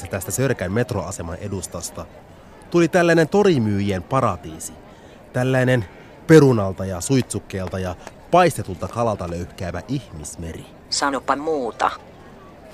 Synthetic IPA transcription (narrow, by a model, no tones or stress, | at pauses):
set̪æst̪æsørkæmme̞t̪roɑse̞mɑnʔe̞dust̪ɑst̪ɑ | t̪ulit̪ælːæjne̞nt̪o̞ɾimyːjempɑɾɑt̪iːsi | t̪ælːæine̞n | pe̞ɾunɑlt̪ɑjɑsujt̪sukːeːlt̪ɑjɑ | pɑist̪et̪ult̪ɑkɑlɑlt̪ɑløɥhk̟æːʋæʔiçmisme̞ri | sɑnopːɑmuːt̪ɑ̰